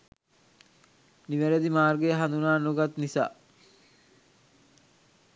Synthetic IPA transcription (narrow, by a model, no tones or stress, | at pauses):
niʋæɾəd̪imaːrɡeəɦand̪unaːnoɡat̪nisa̰ː